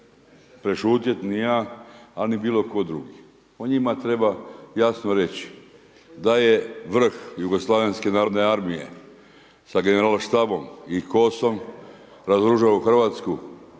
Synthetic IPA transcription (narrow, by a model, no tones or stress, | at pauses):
pɾeʃuːt̪jet̪nijaːalnibiːlo̞ko̞d̪ɾuɡi | oɲimat̪ɾe̞bajasnoɾe̞t͡ɕi̥ | d̪aje̞ʋr̩xjuɡoslˠaʋenske̞naːɾod̪neaɾmije̞̰ | saɡe̞neɾaːlʃt̪abo̞mikosom | ɾazɾuʒauxr̩ʋaːt̪sku